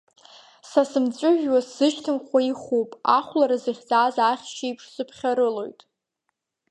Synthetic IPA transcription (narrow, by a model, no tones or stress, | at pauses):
sasɨmt͡sʷʼʊʒᶣwasɨʃtʰɨmχʷaiχuwpʼa̰χʷlaɾazɨχʲt͡sʼaːzaχʲʃijpʰʂsɨpʰχʲaɾɨlo̞jtʼ